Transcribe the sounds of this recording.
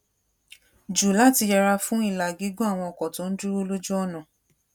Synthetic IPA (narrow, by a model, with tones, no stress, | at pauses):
d͡ʒu˨la˦˨ti˧jɛ˧ɾa˧fũ˦i˦˨la˨ɡi˨˦ɡũ˦a˦˨w̃ɔ̃˧ɔ˨kɔ˨to˨˦n̩˦dɾi˦ɾo˦lo˦d͡ʒu˦ɔ˦˨nã˨